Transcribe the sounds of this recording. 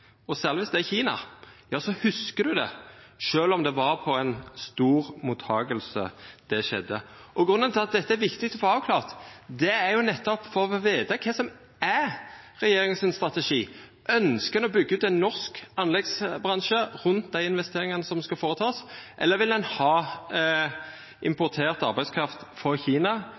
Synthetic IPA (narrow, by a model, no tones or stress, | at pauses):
ɔsæːʁlʋɪsd̪ɛæçiːnɑ̰jɑːsɔhʉskəd̪ʉd̪ɛ̰ʃøːlɔmd̪ɛʋɑɾpʰɔɛnst̪uːʁmuːt̪ʰːɑːɡəlsə̰d̪̥ɛʃɛ̰d̪ːə̰ʔɔɡʁʉnənt̪ʰɪlɑt̪̚d̪ɛt̪ːəæɾʋɪkt̪ɪɡt̪ɔfoːɑːʋkʰlɑːʁt̪d̪ɛæɾjʊnɛt̪ːɔpfɔɾɔʋeːt̪ɑkʰɛsɔm | æʁɛjeːɾɪŋənsɪnst̪ʁɑt̪ɛʂiː | ʔœnskəɛnɔbʏɡːəʉːt̪ɛnːɔʁskɑnlɛɡsbʁɑnʃəʁʉnt̪̚d̪æɪɪnʋɛst̪eːɾɪŋɑnəsɔmskɑfoːʁət̪ʰɑːsʔɛ̰lːəɾʋɪldɛnhɑː | ʔɪmpʊʁt̪ʰeːʁt̪ɑɾbæɪd̪skʰɾɑft̪fɔɾçiːnɑ